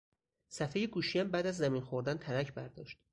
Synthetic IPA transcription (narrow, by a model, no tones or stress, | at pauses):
sæfejeɡuːʃijæmbæːd̪æzːæminxoɾd̪ænt̪ʰælæcʰbæɾd̪ɒ̰ːʃt̪